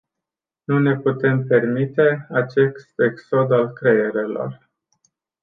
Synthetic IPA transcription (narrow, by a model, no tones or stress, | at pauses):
nune̞put̪e̞mpe̞rmit̪e̞at͡ʃe̞sst̪e̞kso̞d̪alkɾe̞je̞ɾe̞lo̞̰r